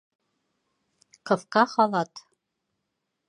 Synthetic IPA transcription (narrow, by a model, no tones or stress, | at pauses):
kɤ̆fkɑχɑlˠɑt̪